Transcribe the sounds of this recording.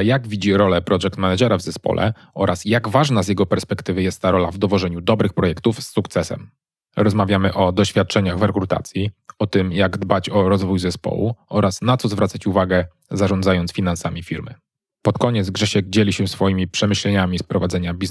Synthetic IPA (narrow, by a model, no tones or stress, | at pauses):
jaɡvʲid͡ʑiɾɔlɛpɾɔʐɛk̚t̪mɛnad͡ʒɛɾavzɛspɔ̰lʔɛ̰ | ʔɔɾʔasjaɡvaʐnazʲjɛɡɔpɛɾspɛkt̪ɘvɘjɛst̪ːaɾɔlavd̪ɔvɔʐɛɲud̪ɔbɾɘxpɾɔjɛkt̪ufsːukt̪sɛsɛ̰m | ɾɔzmavʲjamɘʔɔd̪ɔɕfʲjat̪̚t͡ʂɛɲaɣvɾɛkɾut̪a̰t̪sʲjiɔt̪ɘmjaɡd̪bat͡ɕɔɾɔzvujzɛspɔ̰wṵɔɾʔasnat̪sɔzvɾat̪sat͡ɕuvaɡɛ | zaʐɔnd̪zajɔnt̪sfʲinansamʲifʲiɾmɘ̰ | pɔt̪kɔɲɛt̪zɡʐɛɕɛɡd͡ʑelʲiɕɛsfɔjimʲipʂɛmɘɕlɛɲamʲispɾɔvad̪zɛɲabʲiz